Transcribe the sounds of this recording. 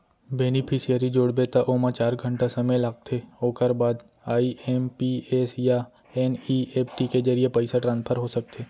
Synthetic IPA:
beːnipʰɪsijəɾid͡ʒoːɽbet̪aʔoːmãt͡ʃaːɾɡʱə̃ɳʈasɐmelaːk̚t̪ʰeoːkəɾbaːd̪ | aːiempieːsja | ɛːnieːpʈiked͡ʒəɾijepəɪsaʈɾãnspʰəɾɦosɐk̚t̪ʰeː

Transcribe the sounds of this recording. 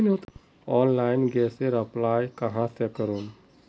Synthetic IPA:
not̪ | ɔːnlaɪnɡɛːseɾəplaːjkəɦãsekəɾuːn

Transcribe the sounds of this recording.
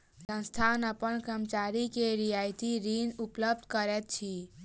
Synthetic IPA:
sə̃nst̪ʰanəpənkəmt͡ʃaɾikeɾijajt̪iɾinupləb̚d̪ʱkəɾɛt̪̚t͡ʃʰi

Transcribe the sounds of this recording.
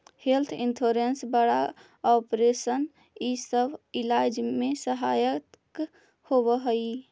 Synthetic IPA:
helt̪ʰintʰoɾensbəɽa | ɔpɾesən | isəbʱilajd͡ʒmesəɦajət̪k | hobəɦəj

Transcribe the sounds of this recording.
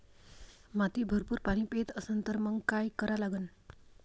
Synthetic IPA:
mat̪ibʱəɾpuːɾpaɽ̃ĩpet̪əsənt̪əɾməŋɡkajkəɾalaɡən

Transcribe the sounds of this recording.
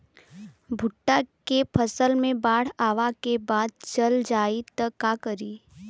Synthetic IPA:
bʱʊʈːakepʰəsəlmẽbaːɽ̤aːʋakebaːd̪̚t͡ʃəld͡ʒaːit̪əkakəɾiː

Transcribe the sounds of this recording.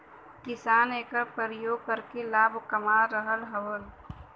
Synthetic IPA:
kɪsaːneːkəɾpəɾəjoːɡ̚kəɾkelaːbʱkəmaɾəɦəlɦəwəl

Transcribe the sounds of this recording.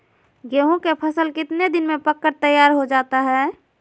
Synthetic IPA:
ɡeːɦõkepʰəsəlkɪt̪ned̪ɪnmẽpəkːəɾt̪əjːaːɾɦod͡ʒaːt̪aɦɛː

